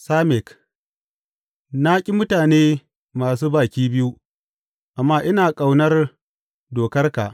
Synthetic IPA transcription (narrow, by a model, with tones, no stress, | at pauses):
saː˦mɪ˨k | na˦kʲʼi˦mʊ˦taː˨neː˦ | maː˨s̬uː˦baː˨kʲiː˦bɪ˦ju˦ | ʔa˨mːaː˦ʔɪ˦naː˨kʼa˨wnɐ˦r | doː˨kɐ˦rka̰˨ʔ